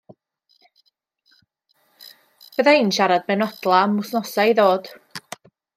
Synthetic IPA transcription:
b̥əðainʃaɾad̚mɛnɔdlˠamʊsnɔsaiðoːd̥

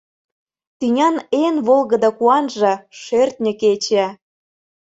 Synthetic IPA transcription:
t̪ynʲɑnenβolˠɣə̆d̪ɑkuɑnʒɤ̆ʃert̪̚nʲə̆ket͡ɕæ

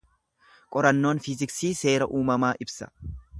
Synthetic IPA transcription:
kʼɔɾɐnːo̞ːnfɪzɪksiːse̞ːɾɐʔuːmɐmaːʔɪbsɐ̥̰

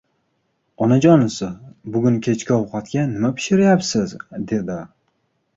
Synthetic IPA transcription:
ɒnad͡ʒɒnɪsɪbʊɡʲʊnkʲʰe̞t͡ʃkʲaɒwqʰɑt̪kʲanɪmapʰɪ̥ʃɪɾajapsɪzd̪e̞d̪ɪ

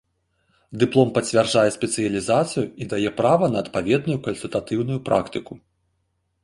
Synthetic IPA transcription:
d̪ɨplˠɔmpɐt͡sʲvʲarʐajɛsʲpʲɛt̪sɨjɐlʲizat̪sɨjuid̪ajɛpɾavɐnɐːt̪pavʲɛd̪̚nujukɐnʲsʲulʲt̪at̪ɨwnujupɾʔa̰kt̪ɨku

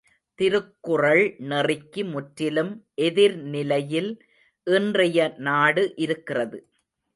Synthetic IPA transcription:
t̪ɪɾɯkːʊrɐɭnɛrɪkːɯmʊʈɾɪlɯmʔɛðɪɾnɪlɐjɪl | ʔɪndrɐjɐnaːɽɯʔɪɾɯkːɪrɐðɯ

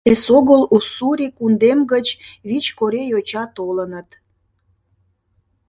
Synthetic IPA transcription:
esoɣəlusuɾʲikund̪emɡət͡ɕβit͡ɕkoɾejot͡ɕɑt̪olənət̪

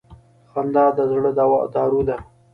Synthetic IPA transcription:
xand̪ɑːd̪əzɽəd̪awɑ̰d̪ɑːɾud̪a

